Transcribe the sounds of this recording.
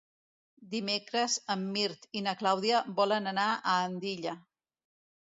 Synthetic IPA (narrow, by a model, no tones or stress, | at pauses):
d̪imekɾəzəmːiɾt̪inəklawð̞iəbɔlənənaəːnd̪iʎə